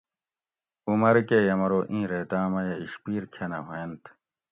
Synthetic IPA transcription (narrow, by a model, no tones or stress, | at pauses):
umɐɾkejɐmɐɾoːʔĩːɾeːt̪aːmɐjɐiɕpiːɾkʰenɐ̰ɦoent̪ʰ